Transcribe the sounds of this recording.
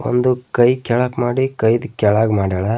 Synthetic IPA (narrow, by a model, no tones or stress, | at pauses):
o̰nd̪ukɐjkɛɭaːkmaːɽikɐjd̪kʲɛɭaːɡmaːɽɐːɭɐ